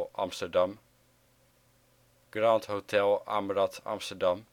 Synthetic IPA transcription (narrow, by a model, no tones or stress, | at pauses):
ʔɑ̰mstədɑm | ɡ̥rɑːntɦotʰɛlˠa̰mrɑtɑ̰mstəɹdɑm